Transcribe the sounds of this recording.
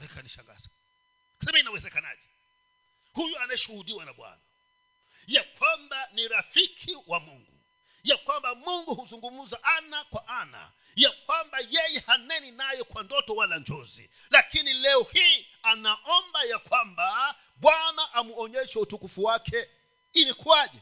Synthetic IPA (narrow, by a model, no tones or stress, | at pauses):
hɛkaniʃa̰ŋɡa̰sḁ | ksamainawɛzɛkana̰d͡ʒɛ | hujuanaɛʃuhudiwanaɓwa̰na | jakwambaniɾafikʰiwamuŋɡṵ | jakwambamuŋɡuhuzuŋɡum̩zaʔanakwaʔana̰ | jakwambajɛjɛhanɛninajɔkwandɔtɔwaland͡ʒɔzḭ | lakinilɛɔhiːanaʔɔmbajakwamba | ɓwanaʔamuɔɲɛʃɛutukufuwakʰɛ | ilikuaʄɛ